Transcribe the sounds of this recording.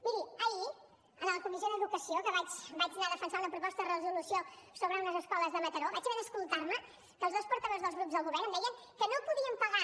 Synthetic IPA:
miɾiəi | ənəlˠkumis̬oðəðukəsiokəβat͡ʃbad͡ʒnaðəfənsaunəpɾupɔst̪əðərəzulusiosoβɾəunəzəskɔləzðəmət̪əɾoβat͡ʃəβɛɾəskulˠt̪aɾmə | kəːlˠzðospuɾt̪əðozðəlˠzɣɾupzðəlˠɣuβɛɾnd̪ɛjəŋ | kənopuðiəmpəɣa

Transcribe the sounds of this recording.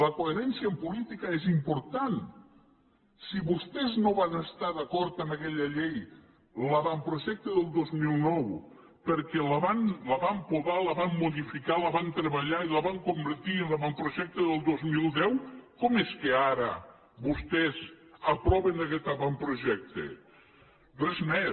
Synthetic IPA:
ləkueɾɛnsiəmpulit̪ikəezimpuɾt̪an | siβust̪ɛznoβanəst̪aðəkɔɾt̪əməkɛʎəʎej | laβampɾuʒɛk̚t̪əðəlˠd̪ozmilˠnɔw | pəɾkɛləβanləβampuβaləβamːuðifikaləβant̪ɾeβəʎailəβaŋkumbəɾt̪iənləβampɾuʒɛk̚t̪eðəlˠd̪ozmilˠd̪ɛwkɔmeskeaɾə̰ | βust̪ɛzəpɾɔβenəkɛt̪aβampɾuʒɛk̚t̪ḛ | rezmɛ

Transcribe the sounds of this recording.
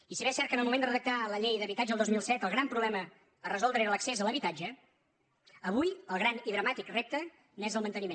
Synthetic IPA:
isiβɛsɛrt̪̚kənəlˠmumend̪ərəðək̚t̪aləʎejðəβit̪ad͡ʒəːlˠd̪ozmilˠsɛt̪əlˠɣɾampɾuβlɛmə | ərəzɔlˠd̪ɾəeɾələksezələβit̪ad͡ʒə | əβujəlˠɣ̞ɾaniðɾəmat̪ikrep̚t̪ə | nezəlˠmənt̪ənimẽn

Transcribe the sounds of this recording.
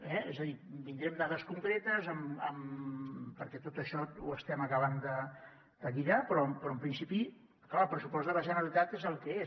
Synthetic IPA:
ɛḛzəðibind̪ɾɛmd̪aðəskuŋkɾet̪əzəmə̰m | pəɾkɛt̪ot̪əʃɔuəst̪ɛməkəβ̞and̪ə | d̪̥əɣiðapɾɔmpɾɔəmpɾinsipi | klaəlˠpɾəsupɔzt̪ələʒənəɾəlit̪at̪ezəlˠkɛes

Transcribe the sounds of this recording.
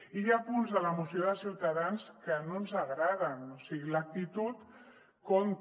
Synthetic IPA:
iʎapunzðələmusioðəsiwt̪aðanskənonzəɣɾaðənosiɣilək̚t̪it̪ut̪ | kon

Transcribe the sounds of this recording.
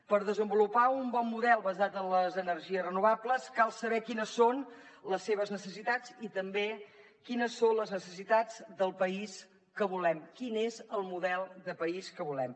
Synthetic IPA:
pəɾðəzəmbulupaumbɔmːuðɛlˠβəzat̪ənləzənərʒiəzrənuβ̞apləskalˠsəβɛkinəsːon | ləsːeβ̞əznəsəsit̪ad͡zit̪əmbe | kinəsːonləznəsəsit̪ad͡zd̪əlˠpəis | kəβulɛmkinezəlˠmuðɛlˠd̪əpəiskəβulɛm

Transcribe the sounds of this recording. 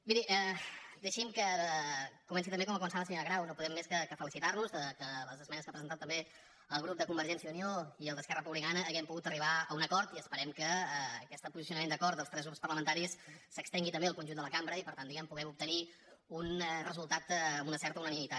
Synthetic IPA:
biɾiʔɛd̪əʃimkə | kumɛnsit̪əmbekɔməkumənsaməsəɲoɾəɣɾawnopuðɛmːeskəkəfəlisit̪arnuzəkələzəzmɛnəskapɾəzənt̪at̪ːəmbe | əlˠɣɾup̚d̪əkumbəɾʒɛnsiəunioiəlˠd̪əskɛrərəpuβlikanəːɣɛmpuɣut̪əriβaəunəkɔɾt̪iəspəɾɛmkəːkɛst̪əpuzisiunəmend̪əkɔrt̪əlˠst̪ɾɛzɣɾupspərləmənt̪aɾisːəkst̪ɛŋɡit̪əmbeəlˠkunʲʒund̪ələkambɾəipəɾt̪and̪iɣɛmpuɣɛmup̚t̪əni | unɛrəzulˠt̪at̪unəsɛɾt̪əunənimit̪at̪

